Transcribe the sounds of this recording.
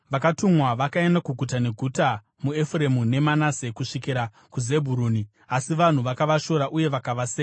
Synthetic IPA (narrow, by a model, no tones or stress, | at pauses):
ʋakatumwaʋakaendakuɡʱutane̞ɡʱuta | mue̞fuɾe̞mune̞manase̞kuʂikiɾa | kuze̞bʱuɾuːni | asiʋan̤uʋakaʋaʃo̞ɾaʔuje̞ʋakaʋaseː